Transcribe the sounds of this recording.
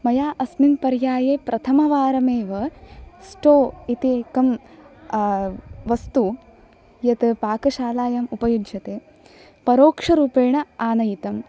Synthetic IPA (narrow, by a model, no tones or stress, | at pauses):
mɐjaːʔɐsminpɐɾjaːjeːpɾʔɐt̪ʰɐmɐʋaːɾɐmeːʋɐsʈoːit̪ikɐm | ʋɐst̪u | jɐt̪ɐpaːkɐʃaːlaːjɐmupɐjudt͡ʃʰɐt̪eː | pɐɾoːkʂɐɾuːpeːɳɐaːnɐjit̪ɐm